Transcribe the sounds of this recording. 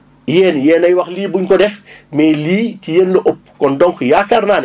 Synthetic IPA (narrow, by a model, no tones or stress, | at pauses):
jɛːnjɛːnɐjwɐxliːbuɲkɔdɛfmɛːliːcijenloʔop̚kɔndɔŋkjaːkarnaːn